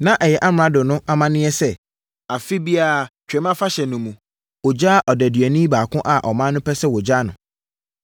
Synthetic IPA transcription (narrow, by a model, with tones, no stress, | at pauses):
nã˦ʔɛ˨jɛ˨ʔa˦m˨ã˦dʊ˨nʊ̃˦ʔa˨mã˦nɪ̃˦ɛ˦sɛ˦˨ | a˨fi˦bi˦a˦˨t͡ɕʰᶣɛ˨˦mã˦fa˦ɕɛ˨nʊ̃˨mũ˨ | o˨d͡ʑaː˦ʔɔ˨dɛ˨dɥɛ˨nĩ˦baː˨kʰʊ̃˦ʔa˨ʔɔ˨mã˦nʊ̃˦pʰɛ˦sɛ˦wɔ˨d͡ʑaː˦nʊ̰̃˨